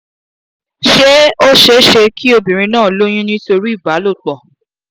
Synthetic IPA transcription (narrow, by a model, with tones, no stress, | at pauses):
ʃe˦o˦ʃe˧˦ʃe˧kʰi˦o˧bĩ˨ɾ̃ĩ˧nãː˦˨lo˦j̃ĩ˦nĩ˦to˧ɾi˦i˦˨ba˨˦lo˦˨k͡pɔ˨